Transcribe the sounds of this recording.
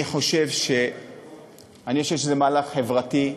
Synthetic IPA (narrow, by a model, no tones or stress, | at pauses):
iχo̞ʃe̞vʃe̞ | aniχo̞ʃevʃezemaːlaχχe̞vʁati